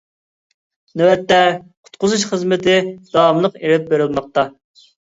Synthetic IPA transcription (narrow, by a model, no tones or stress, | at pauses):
nøwɛt̪ːɛqʰʊ̥t̪qʊzuʃχəzmɪt̪ʰɪd̪ɑmlˠəqeɾɪp̚beɾɪlˠmɑq̚t̪ɑ